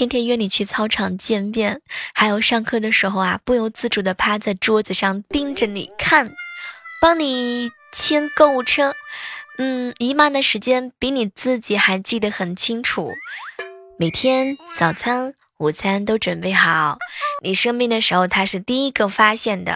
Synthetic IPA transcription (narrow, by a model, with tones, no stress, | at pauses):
t͡ɕi˥nt̪ʰjɛ˥nɥɛ˥˩ni˨˩t͡ɕʰy˥˧t͡sʰɑ˥ʊʈ͡ʂʰɑ˨˩ŋt͡ɕjɛ˥˧npjɛ˥˩nxa˧˥ɪjo˨˩ʊʂɑ˥˧ŋkʰɤ˥˩d̪ə˩ʂɻ̩˧˥xo˧ʊa˩pu˥˩jo˥˩ʊt͡sɹ̩˥˩ʈ͡ʂu˨˩d̪ə˦pʰa˥t͡sa˥˩ɪʈ͡ʂwɔ˥t͡sɹ̩˧˩ʂɑ˥˩ŋt̪i˥˧ŋʈ͡ʂə˩nḭ˨˩kʰa˥˩npɑ˥ŋni˨˩˦ | t͡ɕʰjɛ˥nko˥˧ʊu˥˩ʈ͡ʂʰɤ˥n̩˥˩i˧˥ma˥˩d̪ə˨˩ʂɻ̩˧˥t͡ɕjɛ˥npi˧˥ni˨˩t͡sɹ̩˥˩t͡ɕi˨˩˥xa˧˥ɪt͡ɕi˥˩d̪ə˩˦xə˨˩nt͡ɕʰi˥ŋʈ͡ʂʰṵ˨˩˦ | me˨˩ɪt̪ʰjɛ˥nɕɑ˨˩ʊt͡sʰa˥n | u˨˩t͡sʰa˥nt̪o˥ʊʈ͡ʂwə˨˩npe˥˩ɪxɑ˨˩˦ʊni˨˩ʂɤ˥ŋpi˥˩ŋd̪ə˨˩ʂɻ̩˧˥xo˧ʊt̪ʰa˥ʂɻ̩˥˧t̪i˥˩i˥ɡə˧fa˥ɕjɛ˥˩nd̪ə̰˩